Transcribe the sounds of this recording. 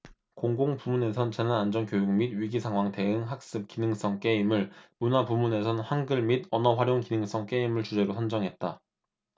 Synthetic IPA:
koŋɡoŋpumune̞sʰʌnt͡ɕe̞nanand͡ʑʌnkjojuŋmidɥiɡisʰaŋɦwaŋte̞ɯŋɦak̚s͈ɯp̚kinɯŋs͈ʌŋk͈e̞imɯɭmunapumune̞sʰʌnɸanɡɯɭmidʌnʌɸwaɾjoŋkinɯŋs͈ʌŋk͈e̞imɯɭt͡ɕud͡ʑe̞ɾosʰʌnd͡ʑʌŋɦe̞t̚t͈a

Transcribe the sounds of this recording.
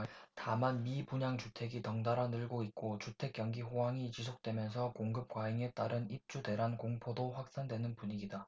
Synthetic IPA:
tamanmibuɲaŋt͡ɕutʰe̞ɡitʌŋdaɾanɯɭɡoik͈ot͡ɕutʰe̞k͈jʌŋɡiɸowaŋit͡ɕisʰok̚t͈we̞mjʌnsʰʌkoŋɡɯp̚k͈waiŋe̞t͈aɾɯnip̚t͡ɕ͈ude̞ɾankoŋpʰodoɸwak̚s͈andwe̞nɯnpuɲiɡida

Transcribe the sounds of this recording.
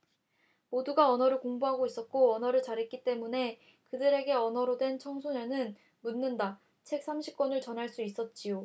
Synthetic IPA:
moduɡaʌnʌɾɯɭkoŋbuɦaɡois͈ʌt̚k͈oʌnʌɾɯɭt͡ɕaɾɦe̞t̚k͈it͈e̞mune̞ | kɯdɯɾe̞ɡe̞ʌnʌɾodwe̞nt͡ɕʰʌŋsʰunenɯn | munːɯnda | t͡ɕʰe̞k̚s͈ʰamɕʰi̥p̚k͈wʌnɯɭt͡ɕʌnɦaɭs͈uis͈ʌt̚t͡ɕ͈ijo

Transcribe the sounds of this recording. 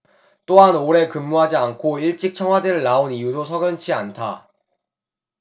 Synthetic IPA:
t͈oɦanoɾe̞kɯmːuɦad͡ʑiankʰoiɭt͡ɕ͈ik̚t͡ɕʰʌŋwadeɾɯɭːaonijudosʰʌɡjʌnt͡ɕʰiantʰa

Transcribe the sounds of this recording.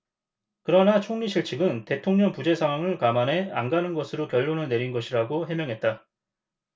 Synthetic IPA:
kɯɾʌnat͡ɕʰoŋɲiɕʰiɭt͡ɕʰiɡɯnte̞tʰoŋɲʌŋpud͡ʑe̞sʰaŋɦwaŋɯɭkamane̞anɡanɯnɡʌsʰɯɾokjʌɭːonɯne̞ɾinɡʌɕʰiɾaɡoɦe̞mjʌŋɦe̞t̚t͈a

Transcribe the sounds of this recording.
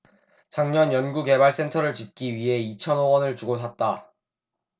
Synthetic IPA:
t͡ɕaŋɲʌnjʌnɡuke̞baɭs͈e̞ntʰʌɾɯɭt͡ɕit̚k͈iɥiɦe̞it͡ɕʰʌnowʌnɯɭt͡ɕuɡosʰat̚t͈a

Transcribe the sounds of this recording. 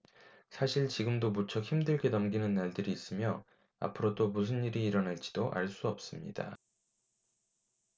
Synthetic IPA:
sʰaɕʰiɭt͡ɕiɡɯmdomut͡ɕʰʌçimdɯɭɡe̞nʌmɡinɯnːaɭdɯɾiːs͈ɯmjʌ | a̰pʰɯɾodomus̬ʰɯniɾiːɾʌnaɭt͡ɕ͈i̥d̥oʔa̰ɭs͈uʌp̚s͈ɯmɲid̥a̰

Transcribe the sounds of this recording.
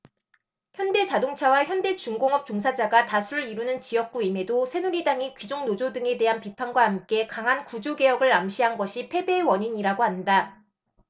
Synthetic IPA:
çjʌnde̞t͡ɕadoŋt͡ɕʰawaçjʌnde̞t͡ɕuŋɡoŋɦʌp̚t͡ɕoŋs̬ʰad͡ʑaɡatasʰuɾɯɭiɾunɯnt͡ɕijʌk̚k͈uime̞dosʰe̞nuɾidaŋikɥid͡ʑoŋnod͡ʑodɯŋe̞de̞ɦanpipʰanɡwaɦamk͈e̞kaŋɦankud͡ʑoɡe̞jʌɡɯɭamɕʰiɦanɡʌɕʰipʰe̞be̞wʌɲiɲiɾaɡoɦanda

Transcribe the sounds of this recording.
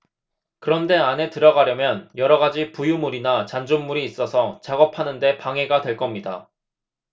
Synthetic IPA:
kɯɾʌnde̞ane̞tɯɾʌɡaɾjʌmjʌnjʌɾʌɡad͡ʑipujumuɾinat͡ɕand͡ʑonːuɾiːs͈ʌsʰʌt͡ɕaɡʌpʰanɯnde̞paŋe̞ɡadwe̞ɭk͈ʌmɲida

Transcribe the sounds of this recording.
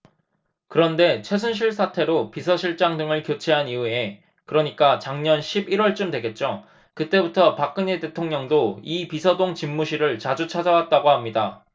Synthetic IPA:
kɯɾʌnde̞t͡ɕʰwe̞s̬ʰunɕʰiɭs̬ʰatʰe̞ɾopisʰʌɕʰiɭt͡ɕ͈aŋdɯŋɯɭkjot͡ɕʰe̞ɦaniue̞ | kɯɾʌɲik͈at͡ɕaŋɲʌnɕʰibiɾwʌɭt͡ɕ͈ɯmdwe̞ɡe̞t̚t͡ɕ͈o | kɯt͈e̞butʰʌpak̚k͈ɯɲete̞tʰoŋɲʌŋdoipisʰʌdoŋt͡ɕimːuɕʰiɾɯɭt͡ɕad͡ʑut͡ɕʰad͡ʑawat̚t͈aɡoɦamɲida

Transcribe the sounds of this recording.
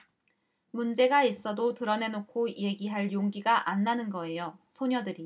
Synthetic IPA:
mund͡ʑe̞ɡais͈ʌdotɯɾʌne̞nokʰoije̞ɡiɦaɭjoŋɡiɡaʔanːanɯnɡʌe̞josʰoɲʌdɯɾi

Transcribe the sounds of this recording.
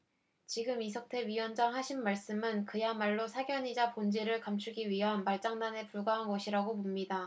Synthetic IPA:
t͡ɕiɡɯmis̬ʰʌk̚tʰe̞ɥijwʌnd͡ʑaŋɦaɕʰinmaɭs͈ɯmɯnkɯjamaɭːosʰaɡjʌɲid͡ʑapond͡ʑeɾɯɭkamt͡ɕʰuɡiɥiɦanmaɭt͡ɕ͈aŋdane̞puɭɡaɦanɡʌɕʰiɾaɡopomɲida

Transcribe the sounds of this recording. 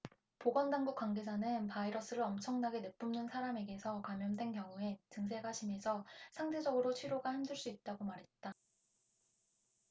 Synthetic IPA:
poɡwʌndaŋɡuk͈wanɡe̞d͡ʑanɯnpaiɾʌs͈ɯɾɯʌmt͡ɕʰʌŋnaɡe̞nɯp͈umnɯnsʰaɾame̞ɡe̞sʰʌkamjʌndwe̞nkjʌŋue̞tɯŋs̬ʰe̞ɡaɕʰimesʰʌsʰaŋde̞d͡ʑʌɡɯɾot͡ɕʰiɾoɡahemdɯɭs͈uit̚t͈aɡomaɾɦe̞t̚t͈a

